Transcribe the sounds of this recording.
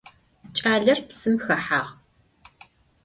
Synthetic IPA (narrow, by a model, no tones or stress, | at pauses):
t͡ʃʼaːɮɐrpsɨmxɐħaːʁ